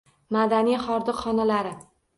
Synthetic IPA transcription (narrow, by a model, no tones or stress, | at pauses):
mad̪anijχɒɾd̪ɨqχɒnalaɾɪ